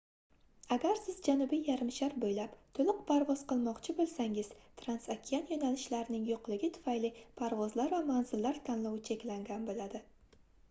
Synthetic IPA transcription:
aɡʲaɾsɪzd͡ʒanʊbijːaɾɪmʃaɾbojlapt̪ʰolɪq̚pʰaɾvɒz̥qɨlˠmɒqt͡ʃʰɪbolˠsaŋɪz̥t̪ʰɾansakʲʰːianjonalɪʃlaɾnɪŋjoqlˠɪɡʲɪt̪ʰʊ̥fajlɪpʰaɾvɒzlaɾvamanzɪlːaɾt̪ʰanlɒwɪt͡ʃʰe̞kʲlaŋɡʲanbolad̪ɪ

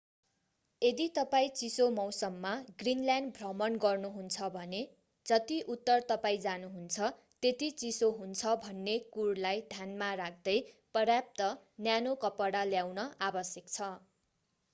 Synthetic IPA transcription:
ed̪it̪ʌpaĩt͡sisomʌwsʌmːaɡrinljanbʱrʌmʌnɡʌrnuɦunt͡sʰʌbʱʌne | d͡zʌt̪iʔut̪ːʌrt̪ʌpaĩd͡zanuɦunt͡sʰʌ | t̪et̪it͡sisoɦunt͡sʰʌbʱʌnːekuɽlajd̪ʱjanmarak̚ʰd̪ʌjprʌrjap̚t̪ʌnjanokʌpʌɽaljawnʌʔabʌsjʌkt͡sʰʌ

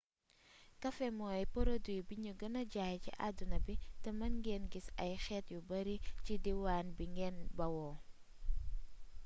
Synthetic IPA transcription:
kɐfɛmɔɐjpɔɾodujbiɲuɡɐnɐɟaːjcḭʔa̰dunɐbitɐmɐnɡɛːnɡisɐjxɛːtjubɐɾicidiwaːnbiŋɡɛːnbɐwɔː

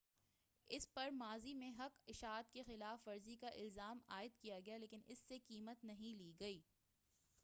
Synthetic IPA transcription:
ɪspɐɾmaːzimẽɦɐkɪʃaːt̪kexɪlaːfʋɐɾzikaʔɪlzaːmaːɪd̪kijaɡɐjaleːkɪnɪ̰sːekiːmət̪nɐɦĩliːɡɐiː

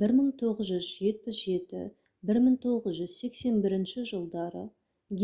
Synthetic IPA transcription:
bɪɾməɴt̪ʰo̞ʁəzʒʏzʒe̞t̪̚pɪsʒe̞t̪ɪ̰ | bɪɾməɴt̪ʰo̞ʁəzʒʏzse̞kse̞nbɪɾɪnʃɪʒəlˠd̪ɑɾə | ɡʲ

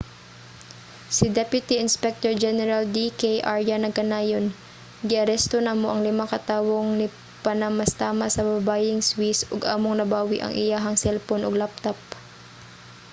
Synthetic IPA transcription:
sɪd̪ɛpjʊt̪iʔɪnspɛk̚t̪oɹd͡ʒɛnɛɾald̪ikejʔaɹjanɐɡ̚kɐnaːjon | ɡɪʔɐɾɛst̪onamoʔɐŋlɪmakɐt̪aːwoŋnɪ | pɐnamɐst̪aːmɐsɐbɐbaːjɪŋswisoɡʔa̰ːmoŋnɐbaːwɪʔɐ̰ŋʔɪ̰jaɦɐŋsɛlponʔoɡlap̚t̪op̚

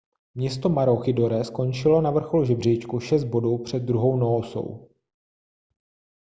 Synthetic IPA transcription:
mɲɛst̪o̞maɾoxɪdoɾɛsko̞nt͡ʃɪlo̞navr̩xoluʒɛbr̝ɛjt͡ʃkuʃɛst̪̚bo̞duːpr̝̥ɛd̪̚ːɾuɦo̞wnooso̰w

